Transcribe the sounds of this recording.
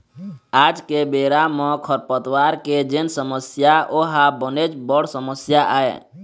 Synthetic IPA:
aːd͡ʒkebeːɾamɔ̃kʰəɾpət̪waːɾked͡ʒensəməsjaʔoɦabənet͡ʃbəɽsəməsjaʔaːḛ

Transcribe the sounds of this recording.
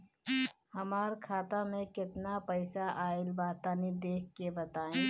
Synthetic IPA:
hɐmaːɾkʰaːt̪amẽkɪt̪napəɪsaʔaːɪlbaːt̪aːnid̪eːk̚ʰːebɐt̪aːẽː

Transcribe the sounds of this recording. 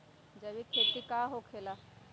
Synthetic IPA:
d͡ʒəʋikʰeːt̪ikaːɦokʰeːla

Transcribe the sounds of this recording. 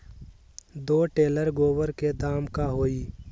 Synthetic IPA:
d̪oːʈeːləɾɡoːwəɾked̪aːmkaɦoːiː

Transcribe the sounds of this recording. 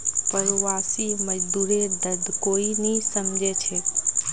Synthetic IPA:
pəɾoʋasiməd͡ʒd̪uɾed̪əd̪ʱkoinisəmd͡ʒʱet͡ʃʰe

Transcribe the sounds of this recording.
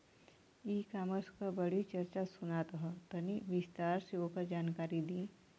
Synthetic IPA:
iːkaːməɾskabɐɽ̤it͡ʃɐɾt͡ʃasʊnat̪ɐɦɐt̪ɐniʋɪst̪aːɾseoːkəɾd͡ʒaːnkaːɾid̪ĩː

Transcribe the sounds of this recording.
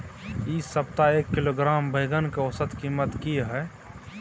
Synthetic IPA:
iːsəp̚t̪aeːkːɪloɡɾaːmbʱəɪɡənkeosət̪kiːmət̪kiɦɛː

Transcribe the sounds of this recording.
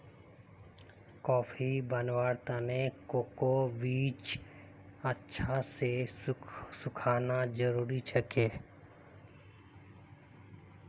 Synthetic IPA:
kɔːfʰibənwaːɾt̪ənekoːkoʋiːt͡ʃ | ətːʃʰase | sʊkʰaːnad͡ʒəɾuːɾit͡ʃʰəkeː

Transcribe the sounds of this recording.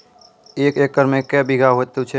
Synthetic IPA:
eːkeːkːəɾmẽkɛbiɡʱaɦot̪ːut͡ʃʰe

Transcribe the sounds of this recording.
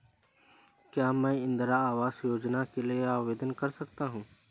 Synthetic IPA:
kjaːmɛ̃ːɪ̃nd̪ɾaaːʋaːsjoːd͡ʒnakelieaːʋeːd̪ənkɐɾsɐkt̪aɦũː

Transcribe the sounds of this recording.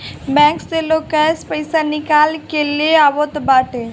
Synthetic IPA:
bɛ̃ŋkst̪elokɛspəɪsanɪkaːlkeleaːʋot̪baːʈe

